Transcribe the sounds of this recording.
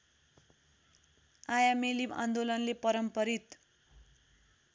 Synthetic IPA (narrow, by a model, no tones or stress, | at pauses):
ajamelima̰nd̪olʌnlepʌɾʌmpʌɾit̪